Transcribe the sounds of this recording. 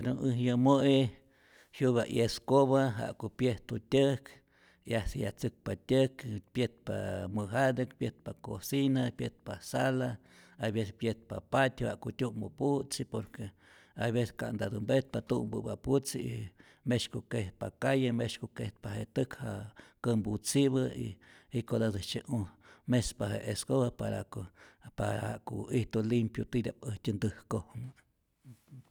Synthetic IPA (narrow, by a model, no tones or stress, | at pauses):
ed̪unɨhjəmoe | hjubaʔjeskoβaɦa̰ʔkopjeht̪utʲək | ahsajat͡sɨk̚patʲɨkpjet̪̚pa̰mɨɦad̪ekpjet̪̚pakosinapjet̪̚pasala | abesepjet̪̚papat̪ʲha̰ʔkotʲumoput͡sipoɾke | ajβese̥ka̰ʔnd̪ad̪umbet̪̚pat̪umbɨ̰baput͡sii | meʃkokeht̪̚pakajameʃkokeht̪̚pahet̪ɨkhaʔkəmbut͡siβəḭikod̪adɨt͡ʃeʔumespaɦḛʔeskoβapaɾa̰opaaha̰ʔkoiht̪olimpjut̪id̪ʲaʔpəhtʲɨnd̪ɨhkohmɨ